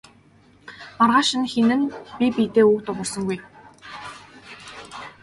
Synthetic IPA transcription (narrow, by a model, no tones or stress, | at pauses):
marʁaːʃɪ̆nxenɘ̆npʲipit̪eːuːkt̪ʊʁʊrsɞ̆ŋɡuj